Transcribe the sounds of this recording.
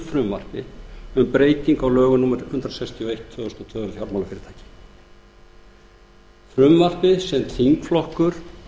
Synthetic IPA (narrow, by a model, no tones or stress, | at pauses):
fɾʏmvar̥pɪʏmpɾeːjt̪iŋkawlœːɣʏnuːmɛɾhʏnt̪ɾasakst̪ʰiɔejht̪ʰvœːʏst̪ɔt̪ʰœːðʏɾθjaɾmawlafɪːɾɪɾ̥t̪ʰajcɪ̥ | fɾʏmvar̥pɪsɛnt̪ʰθiŋkflɔhkʏɾ̥